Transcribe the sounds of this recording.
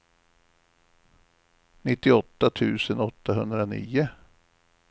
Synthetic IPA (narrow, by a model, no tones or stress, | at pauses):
nɪt̪ːɪɔt̪ːat̪ʰʉ̟ːsənɔt̪ːaɦɵnd̪ɾanḭːʊ